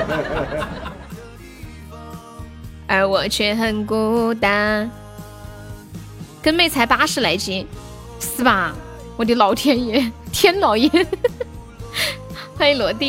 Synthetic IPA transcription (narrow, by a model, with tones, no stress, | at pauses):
ə˞˧˥wɔ˨˩t͡ɕʰɥɛ˥˧˩xə˨˩nko˥t̪a˥n | kə˥nme˥˩ɪt͡sʰa˧˥ɪpa˥ʂɻ̩˥˩la˧˥ɪt͡ɕi˧˥ | sɹ̩˥˩ba˨˩ | wɔ˨˩t̪e˧˥lɑ˨˧˩ʊt̪ʰjɛ˥njɛ˧˥t̪ʰjɛ˥nlɑ˨˧˩ʊjɛ˧˥ | xa˥˩i˧˩lwɔ˨˩t̪i˥˩